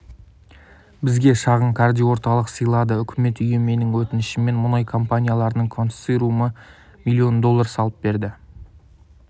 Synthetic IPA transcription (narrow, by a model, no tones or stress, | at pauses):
bɪzɡʲe̞ʃɑʁəɴkʰaɾd̪ʲijwo̞ɾt̪ɑlˠəqsəjlˠɑd̪əʏkʲʰɪme̞t̪ʏje̞me̞nɪŋwɵt̪ɪnɪʃɪme̞nmʊnɑjkʰo̞mpanʲijalˠɑɾənəŋkʰo̞nsijɾumə | milʲːijo̞nd̪o̞lˠːɑɾsɑlˠəp̚be̞ɾd̪ɪ